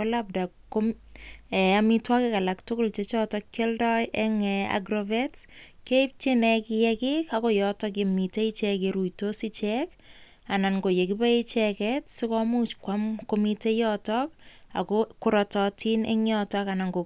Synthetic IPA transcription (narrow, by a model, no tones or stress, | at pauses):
olap̚da | kːomɛamitwakɛkalaktʊkʊlt͡ʃet͡ʃɔtɔkkːɛldɔjʔɛŋɛa̰ɡɾɔvɛtskeip̚t͡ʃinɛkɪjɛkikakɔjɔtɔk̬emiteit͡ʃɛkeɾujtosit͡ʃɛk | ananɡojekipait͡ʃɛkɛtsɪkɔmut͡ʃkwamkomitejɔtɔk̚a̰kɔkʊɾɔtɔtʰinḛŋjɔtɔkanaŋɡo